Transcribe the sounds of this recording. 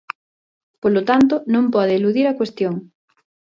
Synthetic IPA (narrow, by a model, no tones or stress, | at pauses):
polot̪ant̪ʊnõmpɔðɪːluðiɾɐkwest̪joŋ